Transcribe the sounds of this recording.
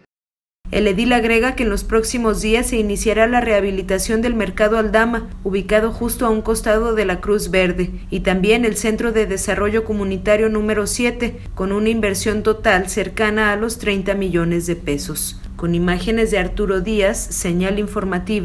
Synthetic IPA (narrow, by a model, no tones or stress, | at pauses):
ḛleðilaɣɾe̞ɣake̞ːnlo̞spɾo̞ksimo̞zðiasːe̞inisjaɾalare̞aβ̞ilit̪asjo̞nd̪e̞lmeɾkaðo̞ald̪amauβ̞ikað̞o̞xust̪o̞auŋko̞st̪aðo̞ðe̞lakɾuzβe̞ɾðe̞ | it̪ambje̞ne̞lse̞nt̪ɾo̞ðe̞ðe̞saro̞ʝo̞ko̞mũnit̪aɾjo̞nũme̞ɾo̞sje̞t̪e̞ | ko̞nũnaimbe̞ɾsjo̞nt̪o̞t̪alse̞ɾkanaːlo̞st̪ɾe̞jnt̪amiʝo̞ne̞zðe̞pe̞so̞s | ko̞nimaxe̞ne̞zðeaɾt̪uɾo̞ðiasːe̞ɲaliɱfo̞ɾmat̪iβa